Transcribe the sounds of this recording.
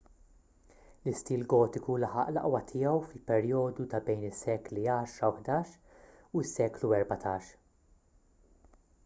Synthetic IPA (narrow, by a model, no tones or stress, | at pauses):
lɪst̪iːlɡɔːt̪ɪkulɐħɐ̰ʔlɐ̰ʔwɐt̪ʰɪjɛwfɪlpɛɾjɔːd̪ut̪ɐbɛjnɪsːɛːkliɐːʃɾɐwħd̪ɐːʃ | uɪsːɛːkluɛɾbɐt̪ʰɐːʃ